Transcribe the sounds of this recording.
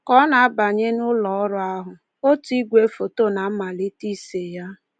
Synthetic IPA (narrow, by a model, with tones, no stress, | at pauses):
kɔ˦na˨a˦ba˨ɲe˦nʊ˦lɔ˨ɔ˦ɾʊ˦a˦ɦʊ˨ | o˦ti˦ɡʷe˨˦fo˨to˦˨na˨m̩˦ma˨li˦ti˦se˨ja˦